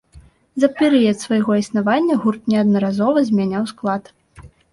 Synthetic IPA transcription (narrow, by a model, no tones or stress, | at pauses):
zɐpʲɛɾɨjɐt̪svɐjɣɔisnavanʲːɐɣurt̪nʲɛɐd̪nɐɾazɔvɐzʲmʲanʲawsklˠat̪